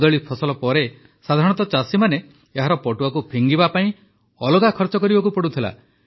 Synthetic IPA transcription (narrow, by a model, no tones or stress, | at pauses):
d̪ɔɭipʰɔsɔlɔpɔɾe | sad̪ʱaɾɔ̃ɽ̃ɔt̪ɔt͡ʃasimane | eɦaɾɔpɔʈuakupʰiŋɡibapaĩ | ɔloɡakʰɔɾt͡ʃɔkɔɾibakupɔɽut̪ʰila̰